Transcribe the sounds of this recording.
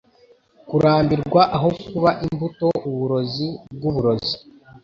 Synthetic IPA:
kuɾaːmbiɾɡwaʔaɦo̞kuβaʔimbuto̞uβuɾo̞zib̚ɡuβuɾo̞zi

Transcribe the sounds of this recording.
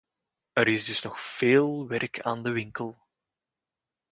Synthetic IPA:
əɾɪzdɵsnɔxfeːlˠʋɛrkʰaːndəʋɪŋkəlˠ

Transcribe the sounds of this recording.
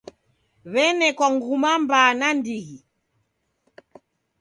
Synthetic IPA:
βɛnɛkwaŋɡumambaːnandiɣi

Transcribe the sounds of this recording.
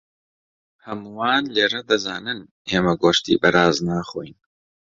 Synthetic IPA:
hɐmuwaːnleːɾɐd̪ɐzaːnɨn | heːmɐɡoːʃt̪ḭːbɐɾaːznaːχo̰jn

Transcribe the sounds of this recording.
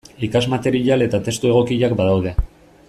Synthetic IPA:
ikazmat̪e̞ɾiʎale̞t̪at̪e̞st̪ue̞ɣ̞o̞kiʎakbaðawðe̞

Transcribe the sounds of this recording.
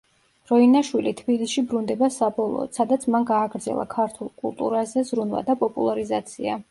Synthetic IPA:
ɾɔinaʃwilit̪ʰbilisʃibɾund̪ɛbasabɔlˠɔ̰ːt̪sad̪at̪sʰmanɡaːɡɾd̪zɛ̰lˠa̰kʰaɾt̪ʰulˠkʼṵlˠt̪ʼṵɾazɛzɾunva̰d̪apʼɔpʼulˠaɾizat̪sʰia̰

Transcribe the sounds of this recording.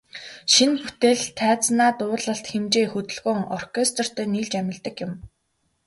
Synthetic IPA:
ʃinput̪eːɮt̪ʰːæːt͡snaːt̪ʊːɮə̆ɬt̪xemt͡ɕeːxɵt̪ɵ̆ɮɣʊːŋɔrkʲʰest̪ʰɔr̥t̪ʰeːniːɮt͡ɕæmʲɪ̆ɮt̪ə̆kjʊ̆m

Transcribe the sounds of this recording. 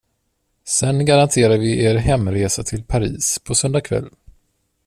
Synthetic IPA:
sɛnɡaɾant̪ʰeːɾavɪʔeːɾɦɛmːɾeːsat̪ʰɪlpʰaɾḭːspʰɔsœnd̪akʰvɛ̰lː

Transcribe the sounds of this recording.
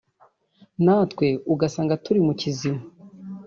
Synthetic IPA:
naːtkwe̞uɡasaːŋɡatuɾimucizima

